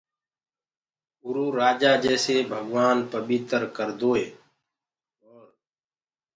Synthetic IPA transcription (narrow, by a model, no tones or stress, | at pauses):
ʊɾuːɾaːd͡ʒaːd͡ʒeːseːbʱəɡʋaːnpəɓiːt̪əɾkəɾd̪oːeː | oːɾ